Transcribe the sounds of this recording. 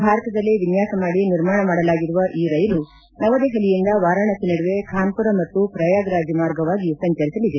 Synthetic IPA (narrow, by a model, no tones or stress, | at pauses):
bʱaːɾɐt̪ɐd̪ɐlːiʋinjaːsɐmaːɽiniɾmaːɳɐmaːɽɐlaːɡiɾuʋɐʔiːɾɐjɐlu | nɐʋɐd̪eːɦɐlijind̪ɐʋaːɾɐɳɐsiniɽuʋekʰaːmpuɾɐmɐt̪ːupɾɐjaːɡɾaːd͡ʒimaːɾɡɐʋaːɡisɐɲt͡ʃɐɾisɐlid̪e